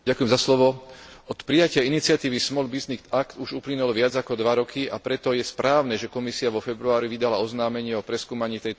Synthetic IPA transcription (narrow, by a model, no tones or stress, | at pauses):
akujɛmzaslɔʋɔɔt̪pɾijacɪainit͡sɪat̪iːʋismɔlbiznik̪akt̪uʒuplinulʋɪad͡zakɔd̪ʋaɾɔkʰiʔapɾɛt̪ɔjɛspɾaːʊnɛʒɛkɔmisiaʋɔfɛbɾuaːɾiʋid̪alaɔznaːmɛɲɪɛɔpɾɛskuːmaɲiːt̪ɛj̪